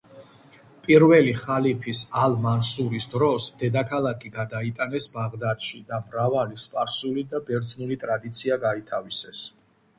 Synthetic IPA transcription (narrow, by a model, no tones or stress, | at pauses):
pʼiɾvɛliχalipʰisalˠmansuɾisd̪ɾɔsd̪̥ɛd̪akʰalˠakʰiɡad̪ait̪ʼanɛsbaʁd̪ad̪ʃid̪amɾavalispʼaɾsulid̪abɛɾd̪znulit̪ʼɾad̪it̪sʰiaɡait̪ʰavisɛs